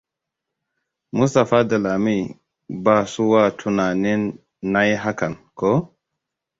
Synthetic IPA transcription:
mu˦sta˨fa˦da˨la˨mi˦ | ba˦˨su˦wa˦tʰu˨na˨ni˦nː | a˦jɦa˦ka˨nkɔ˦

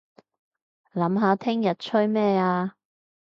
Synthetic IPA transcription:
lɐ˨˥mɦaː˨˧t̪ʰɪ˥ŋjɐ˨t̚t͡ʃʰɵ˥ɥmɛː˥˧aː˧

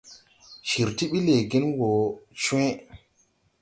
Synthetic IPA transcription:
ʃi˨ɾti˦ɓi˦le˨ɡi˦nwo˨t͡ʃẽ˦

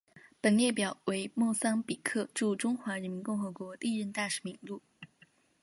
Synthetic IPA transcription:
pə˨˩nljɛ˥˩pjɑ˨˩˦ʊwe˧˥ɪmwɔ˥˩sɑ˥ŋpi˨˩kʰɤ˥˧ʈ͡ʂu˥˩ʈ͡ʂʊ˥ŋxwa˧˥ɻə˧˥nmi˧˥nkʊ˥˩ŋxɤ˧˥kwɔ˧˥t̪i˥˧ɻə˥˧nt̪a˥˩ʂɻ̩˧˥mi˧˩ŋlu˥˩

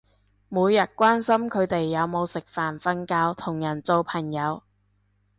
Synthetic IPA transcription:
muː˨˧jːɐ˨t̚kʷaː˥nsɐ˥mkʰɵ˨˧ɥt̪e˨jːɐ˨˧wmo˨˧wsɪ˨k̚faː˨˩nfɐ˥nkaː˧˥wt̪ʰʊ˨˩ŋjɐ˨˩nt͡so˧wpʰɐ˨˩ŋjɐ˨˧w

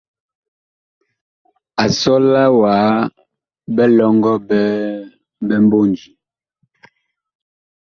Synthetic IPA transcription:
a˨sɔ˦la˦waː˨˦ | bɛ˦lɔ˦ŋɡɔ˦bɛ˦ | bɛ˦m˦bo˦n˨d͡ʒi˨

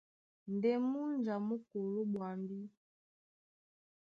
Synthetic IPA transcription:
n˨dɛ˦mu˦nd͡ʒa˨mu˦ko˨lo˦ɓwa˨mbi˦

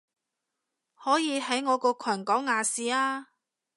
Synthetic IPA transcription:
hɔː˨˥jiː˨˧ɦɐ˨˥jŋɔː˨˧kɔː˧kʰɐː˨˩nkɔː˨˥ŋːaː˨˧siː˨aː˧

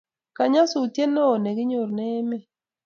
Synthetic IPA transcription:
ka˨ɲa˦su˨tje˦nːɔ˦o˨ne˨ɡɪ˦ɲo˨ɾnɛ˦me˦˨

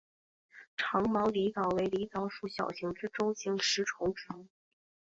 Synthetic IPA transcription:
ʈ͡ʂʰɑ˧˥ŋmɑ˧˥ʊli˧˥t͡sɑ˨˩ʊwe˧˥ɪli˧˥t͡sɑ˧˥ʊʂu˥˩ɕjɑ̰˨˩ʊɕi˧˥ŋʈ͡ʂɻ̩˥ʈ͡ʂʊ˥ŋɕi˧˥˩ŋʂɻ̩˧˥ʈ͡ʂʰʊ˧˥ŋʈ͡ʂ̩˧˥

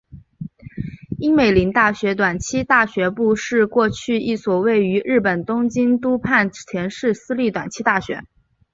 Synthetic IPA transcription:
i˥ŋme˨˩ɪli˧˥ŋt̪a˥˩ɕɥɛ˧˥t̪̬wa˨˩nt͡ɕʰi˥t̪a˥˩ɕɥɛ˧˥pu˥˧ʂɻ̩˥˧kwɔ˥˧t͡ɕʰy˥˧i˥˩swɔ˨˩we˥˩ɪy˧˥ɻɻ̩˥˩pə˨˩nt̪ʊ˥ŋt͡ɕi˥nt̪u˥pʰa˥˩nt̪ʰjɛ˧˥nʂɻ̩˥˩sɹ̩˥li˥˩t̪wa̰˨˩nt͡ɕʰi˥t̪a˥˩ɕɥɛ̰˧˥

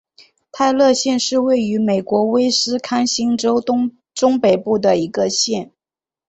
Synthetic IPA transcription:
t̪ʰa˥˧ɪlɤ˥˧ɕjɛ˥˧nʂɻ̩˥˧we˥˩ɪy˧˥me˨˩ɪkwɔ˧˥we˥ɪsɹ̩˥kʰa˥nɕi˥ŋʈ͡ʂo˥ʊ˥ | ʈ͡ʂʊ˥ŋpe˨˩ɪpu˥˩d̪ə˩i˧˥ɡə˧ɕjɛ˥˩n

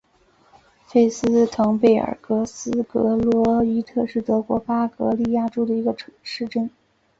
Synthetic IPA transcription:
fe˥˩ɪsɹ̩˥t̪ʰɤ˧˥ŋpe˥˩ɪə̰˨˩kɤ˧˥sɹ̩˥kɤ˧˥lwɔ˧˥i˥t̪ʰɤ˥˧ʂɻ̩˥˩t̪ɤ˧˥kwɔ˧˥pa˥kɤ̰˧˥li˥˧ja˥˩ʈ͡ʂo˥ʊd̪ə˨i˧˥ɡə˧ʈ͡ʂʰʂɻ̩˥˧ʈ͡ʂə˥˩n

